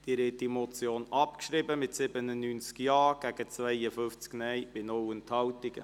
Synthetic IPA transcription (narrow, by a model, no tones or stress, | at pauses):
d̥iɾɛtdimɔt͡sjoːnʔɑpkʃɾɪbəmɪt̪sɪbənənyːnt͡skjɑːɡ̥æɡ̥ət͡svɛɪəfʏft͡sknɛɪbɪnʊwənt̪hɑwtɪɡə̰